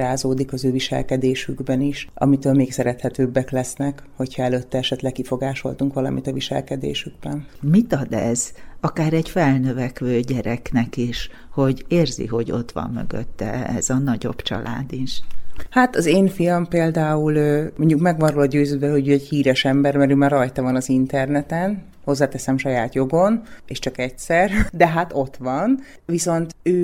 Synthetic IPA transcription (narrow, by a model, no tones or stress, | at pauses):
aːzoːd̪ikɒzøːviʃɛ̰lkɛd̪eːʃyɡbɛniʃʔɒ̰mit̪øːlmeːksɛɾɛt̪hɛt̪øːbːɛklɛsnɛkho̞chɒɛløːt̪ːɛɛʃɛt̪lɛkːifo̞ɡaːʃo̞̰lt̪uŋkʋɒlɒ̰mḭt̪ɒviʃɛ̰lkɛd̪ḛːʃyɡ̚bɛn | mit̪ɒd̪ɛ̰zɒkaːɾɛɟfɛlnøvɛkʋøːɟɛɾɛknɛkiʃ | ho̞ɟeːrzḭɦo̞ɟo̞̰t̪ʋɒ̰mːø̰ɡø̰t̪ːɛ̰ɛ̰zɒnɒɟo̞̰b̥t͡ʃɒ̰lʔa̰ːd̪iʃhat̪ɒzeːɱfijɒmpeːld̪aːuløːmo̞ɲɟukmɛɡʋɒnɾolɒɟøːzøːd̪bɛlɦo̞ɟøːɛɟhiːɾɛʃɛmbɛrmɛɾøːmaːrɒjt̪ɒvɒnɒzint̪ɛrnɛt̪ɛn | ho̞zːaːt̪ɛsɛmʃɒjaːt̪jo̞ɡo̞neːʃt͡ʃɒkɛcsɛrd̪ɛɦat̪o̞t̪ʋɒn | ʋiso̞nt̪øː